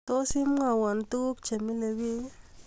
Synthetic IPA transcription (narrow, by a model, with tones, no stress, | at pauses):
to˦si˦m˦ŋa˨wa˨nt̪u˦k̚t͡ʃa˨mi˦le˨wi˦